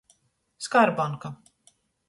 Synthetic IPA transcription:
skaɾbaŋka

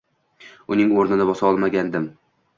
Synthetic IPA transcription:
ʊnɪŋoɾnɪnɪbɒsaɒlˠmaɡʲand̪ɪm

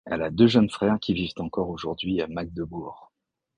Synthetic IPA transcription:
a̰lad̪øʒənfχɛʁkʲivivt̪ɑ̃kɔʁoʒuʁd̪ɥiamaɡ̚d̪əbuːʁ

